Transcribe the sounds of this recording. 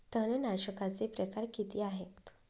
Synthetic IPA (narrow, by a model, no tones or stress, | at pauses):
t̪ənənaɕəkat͡sepɾəkaɾkit̪iːaɦet̪